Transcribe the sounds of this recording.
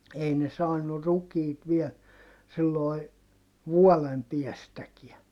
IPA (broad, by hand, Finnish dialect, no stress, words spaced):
ei ne sɑːnːu rukiːt ʋiɛl silːoi ʋuɔlem piɛstækiæ